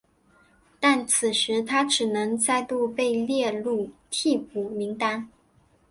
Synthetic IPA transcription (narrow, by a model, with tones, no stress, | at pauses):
t̪a˥˩nt͡s̩ʰ˨˩ʂɻ̩˧˥t̪ʰa˥ʈ͡ʂɻ̩˨˩nɤ˧˥ŋt͡sa˥˧ɪt̪u˥˧pe˥˧ɪljɛ˥˧lu˥˩t̪ʰi˥˩pu˨˩mi˧˥ŋt̪a˥n